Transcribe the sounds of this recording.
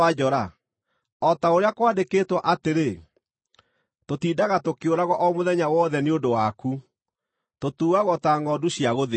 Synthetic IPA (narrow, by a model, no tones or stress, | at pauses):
ad͡ʒɔɾa | ɔtaoɾeakwaːndekeːtwaʔateɾe | totiːdaɣatokeoɾaɣwɔʔɔmoðɛɲawɔðɛneondowaku | totuːɣaɣɔtaːŋɡɔduɕjaɣoðe